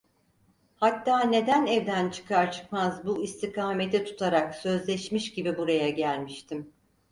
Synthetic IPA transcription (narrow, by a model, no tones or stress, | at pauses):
hat̪ʰːaːne̞d̪ænɛvd̪ænt͡ʃʰɯ̥kʰaɾt͡ʃʰɯ̥kmazbuist̪ʰikʰaːmet̪ʰit̪ʰu̥t̪ʰaɾaksø̞zlʲɛʃmiʃɟibibuɾajaɟælʲmiʃt̪ʰim